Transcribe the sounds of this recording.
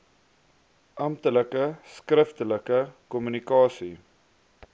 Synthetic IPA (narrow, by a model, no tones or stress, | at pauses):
ʔɐmtələkəskrəftələkəkɔmynikɑːsḭ